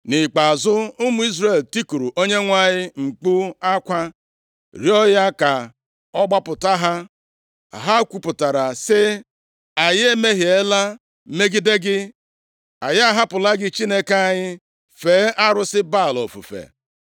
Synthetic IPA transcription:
nɪ˨k͡pa˨a˨zʊ˦ʊ˦mʊ˦i˦zre˨lti˦ku˨ɾu˨ʔo˦ɲe˦ŋʷa˦ɲɪ˦ŋ͡m̩˨k͡pu˦a˦kʷa˦ | ɾjɔ˦ja˦ka˨ | ɔ˦ɡ͡ba˦pʊ˨ta˦ɦa˦ | a̰˨ɦa˦kʷu˨pʊ˨ta˨ɾa˨sɪ˦ | a˨je˦me˦ɦi˨e˦la˦ | me˦ɡi˦de˦ɡɪ˦ | a˨ja˦ɦa˦pʊ˨la˦ɡɪ˦t͡ʃi˦ne˦ke˦a˨ɲɪ˦ | feː˨˦ʔa˦ɾʊ˦sɪ˦ba˦˨lɔ̰˨fṵ˨fḛ˨

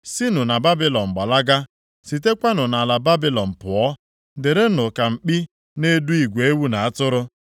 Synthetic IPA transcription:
si˦nʊ˨na˨ba˦bi˦lɔ˨m̩˨ɡ͡ba˨la˦ɡa˦ | si˨te˦kʷa˦nʊ˨na˨la˨ba˦bi˦lɔ˨m̩˨pʊ˨ɔ˦ | dɪ˨ɾe˦nʊ˨ka˨ŋ͡m̩˨k͡pi˦ | ne˦du˦i˨ɡʷe˨e˦wu˦na˨a˦tʊ˦ɾʊ˦

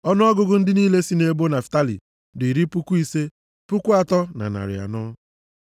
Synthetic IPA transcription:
ɔ˦nʊ˦ɔ˦ɡʊ˦ɡʊ˦n̩˦dɪ˦niː˦le˦si˦ne˦bo˦na˨fta˦lḭ˨ | di˨ɾi˦pu˦kʷu˦i˦se˦ | pu˦kʷu˦a˨tɔ˦na̰˨na̰˨ɾɪ̰˨a̰˨nʊ˦

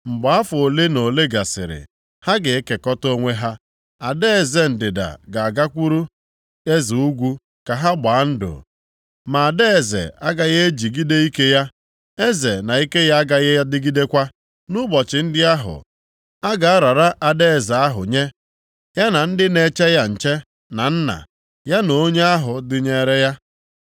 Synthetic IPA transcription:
ŋ͡m̩˨ɡ͡ba˨a˦fʊ˨o˨le˦no˨le˦ɡa˨sɪ̰˨ɾɪ̰˨ | ha˦ɡɪ˨e˦ke˨kɔ˦to˦ŋʷe˦ɦa˦ | a˨de˦e˨ze˨n̩˨dɪ˨da̰˨ɡa˨a˨ɡa˦kʷu˦ɾu˦ | e˦zi˨u˦ɡʷu˦ | ka˨ɦa˦ɡ͡baː˨˦n̩˦dʊ̰˨ | ma˨a˨de˦e˨zḛ˨a˦ɡa˦ɣe˦e˦d͡ʒi˨ɡi˦de˦i˦ke˦ja˦ | e˦zḛ˨na˨i˦ke˦ja˦a˦ɡa˦ɣe˦a˦dɪ˦ɡi˦de˦kʷa˦ | nʊ˦bɔ˨t͡ʃɪ˨n̩˦dɪ˦a˦ɦʊ̰˨ | a˦ɡa˨a˦ɾa˨ɾa˦ʔa˨de˦e˨za˨a˦ɦʊ̰˨ɲe˦ | ja˦na˨n̩˦dɪ˦ne˨t͡ʃe˦ja˦n̩˨t͡ʃe˦ | na˨n̩˦na̰˨ | ja˦no˨o˦ɲe˦a˦ɦʊ˨dɪ˦ɲe˦ɾe˦ja˦

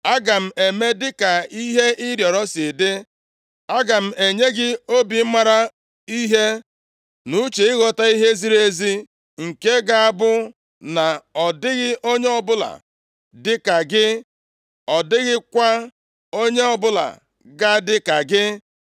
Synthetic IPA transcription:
a˦ɡa˨m̩˨e˨me˦dɪ˦ka˨i˦ɦe˦ʔi˦ɾjɔ˨ɾɔ˦sɪ˨dɪ˦ | a˦ɡa˨m̩˨e˨ɲe˦ɡɪ˦o˦bi˨m̩˦ma˨ɾa˦ | i˦ɦe˦ | nu˦t͡ʃe˨ɪ˦ɣɔ˨ta˦i˦ɦe˦zi˦ɾe˦zi˦ | ŋ̩˨ke˦ɡa˨a˦bʊ˦ | na˨ɔ˨dɪ˦ɣɪ˦ʔo˦ɲe˦ɔ˦bʊ˦la̰˨ | dɪ˦ka˨ɡɪ˦ | ɔ˨dɪ˦ɣɪ˦kʷa˦ | o˦ɲe˦ɔ˦bʊ˦la̰˨ | ɡa˦dɪ˦ka˨ɡɪ˦

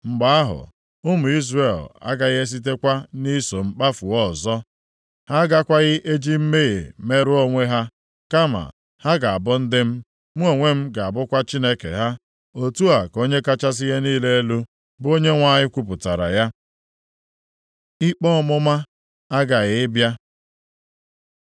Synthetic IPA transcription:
ŋ͡m̩˨ɡ͡ba˦a˦ɦʊ̰˨ | ʊ˦mʊ˨i˦zre˦˨la̰˦ɡa˦ɣe˦s̬i˦t̬e˦kʷa˦ni˦so˨m̩˦k͡pa˦fu˨ɔ˦˨zɔ˦ | ha˦ɡa˦kʷa˦ɣɪ˦ʔe˦d͡ʒi˦m̩˦me˦ɣḛ˨me˦ɾʊ˦o˦ŋʷe˦ɦa˦ | ka˦ma̰˨ | ha˦ɡa˨a˨bʊ˦n̩˦dɪ˦m̩˦ | m̩˦o˦ŋʷe˦m̩˦ɡa˨a˨bʊ˦kʷa˦t͡ʃi˦ne˦kḛ˨ɦa˦ | o˦tu˦a˨ko˦ɲe˦ka˦t͡ʃa˦s̬ɪ˦ɣe˦niː˦le˦e˦lu˦ | bʊ˦o˦ɲe˦ŋʷa˦ɲɪ˦kʷu˦p̬ʊ˨ta˨ɾa̰˨ja˦ | i˦k͡pɔ˦mʊ˦ma˦ | a˦ɡa˨ɣɪ˦bja˦

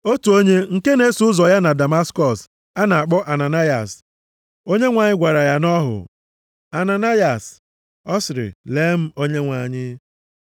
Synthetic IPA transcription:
o˦tu˨o˦ɲe˦ŋ̩˨ke˦ne˦su˨˦ʊ˦zɔ˨ja˦na˨da˨ma˦skɔ˨s | a˦na˨a˨k͡pɔ˦ʔa˨na˨na˦ja̰˨s | o˦ɲe˦ŋʷa˨ɲɪ˦ɡʷa˨ɾa˨ja˦nɔ˦ɦʊ̰˨ | a˨na˨na˦ja˨s | ɔ˦sɪ˨ɾɪ̰˨le˨˦m̩˦o˦ɲe˦ŋʷa˨ɲɪ˦

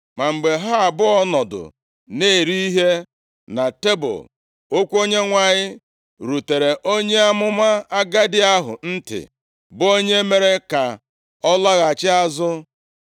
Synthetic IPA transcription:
ma˨ŋ͡m̩˨ɡ͡be˨ɦa˦a˨bʊ˦ɔ˦nɔ˨dʊ̰˨ | ne˦˨ɾi˦i˦ɦe˦ | na˨te˦bʊ̰˨ | o˦kʷu˦o˦ɲe˦ŋʷa˨ɲɪ˦ | ɾu˨te˨ɾe˨ʔo˦ɲe˦a˦mʊ˦ma˦a˦ɡa˦dɪ˦a˦ɦʊ̰˨n̩˦tɪ̰˨ | bʊ˦o˦ɲe˦me˨ɾe˦ka˨ | ɔ˦la˦ɣa˨t͡ʃɪ˦a˦zʊ˦

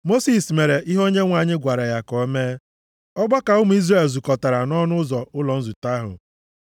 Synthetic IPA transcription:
mo˦si˨sme˨ɾe˨ʔi˦ɦo˦ɲe˦ŋʷa˨ɲɪ˦ɡʷa˨ɾa˨ja˨kɔ˨e˦me˦ | ɔ˦ɡ͡bɔ˦ka˨ʊ˦m̩u˨˦i˦zre˦˨lzu˨kɔ˨ta˨ɾa˨nɔ˦nʊ˦zɔ˨ʔʊ˦lɔ˨n̩˦zu˨ta˦ɦʊ̰˨

